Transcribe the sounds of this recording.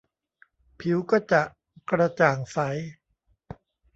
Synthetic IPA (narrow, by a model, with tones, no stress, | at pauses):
pʰi˩˦wkɔː˥˩t͡ɕa˨˩ʔ | kɾa˧t͡ɕaː˨˩ŋsa˩˦j